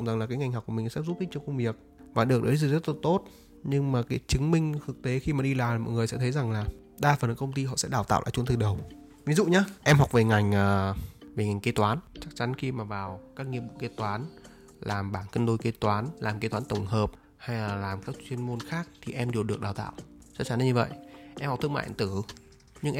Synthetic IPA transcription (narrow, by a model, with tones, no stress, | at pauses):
za˨˩ŋlaː˨˩kaː˨˦jŋa˨˩jŋa˨˩k͡p̚kːmï̟˨˩sɛ̰˧˥zu˦˥ki˦t͡ɕə˧˦ŋ͡mkə˧wŋ͡mvi˨˩ək̚ | vaː˨˩ɗɨ˨˩ək̚ɗə˨˦jzzə˦˥t̚la˨˩t̪o˦˥t̚ | ɲɨ˧ŋmaː˨˩kaː˨˦jt͡ɕɨ˨˦ŋmï˧ŋ̟t̪ʰɨ˨˩k̚t̪e˨˦xi˧maː˨˩ɗi˧laː˨˩maː˨˩mɔ̰˧˨jŋɨ˨˩əjsɛ̰˧˥t̪ʰjza˨˩ŋlaː˨˩ | ɗaː˧faː˨˩nʔɨ˨˦kə˧ŋ͡mt̪i˧ɦɔ̰˧˨sɛ̰˧˥ɗaː˨˩wt̪a̰ː˧wʔa̰˧˩t͡ɕu˨˦t̪ɨ˨˩ɗə˨˩w | vi˨˦zṵ˧˨ɲaː˧ʔɛ˧mɦwk͡p̚ve˨˩ŋa˨˩jŋ̟ʔəː˨˩ve˨˩ŋa˨˩ŋke˨˦t̪waː˨˦nt͡ɕa˦˥k̚t͡ɕa˨˦nxi˧maː˨˩vaː˨˩wkaː˦˥k̚ŋi˧əm̚ɓṵ˧˨ke˧˥t̪waː˨˦n | laː˨˩mɓaː˧˩nkə˧nɗo˧jke˨˧˦t̪waː˨˦nlaː˨˩mke˨˦t̪waː˨˦nt̪ə˧˩wŋ͡mhəː˨˩p̚ | ha˧jlaː˨˩laː˨˩mkaː˦˥k̚t͡ɕwi˧ənmo˧nxaː˦˥k̚t̪ʰi˨˩ʔɛ˧mɗe˨˩wɗɨ˨˩ək̚ɗaː˨˩wt̪a̰ː˧˨wʔ | t͡ɕɔ˦˥t͡ɕa˨˦n˧˩ɲɨ˧və̰˧˨jʔɛ˧mhɔ˨˩k͡p̚t̪ʰkma̰ː˧˨˧t̪ɨ˧˩ | ɲɨ˧ŋʔɛ˧